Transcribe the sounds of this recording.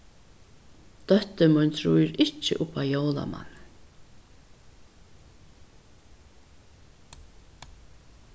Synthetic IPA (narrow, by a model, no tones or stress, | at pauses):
d̪̥œht̪əmʊnt̪ʰɾuːjɪɾʔɪt͡ʃːə̰ʔʊpaːjowla̰ma̰n